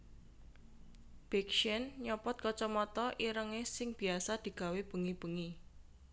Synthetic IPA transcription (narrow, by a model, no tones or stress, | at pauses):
b̥ɛkʃənɲɔpɔt̪̚kɔt͡ʃɔmɔt̪ɔʔiɾəŋesɪŋb̥i̤asad̪̥i̤ɡ̥a̤web̥ə̤ŋib̥ə̤ŋi